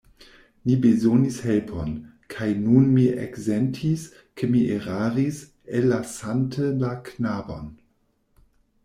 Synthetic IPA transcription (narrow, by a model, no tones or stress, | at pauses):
mibezonishelpʰon | kʰajnunmiʔḛkzentʰis | kʰemiʔeʁaʁis | elːasantʰəlaknabo̰n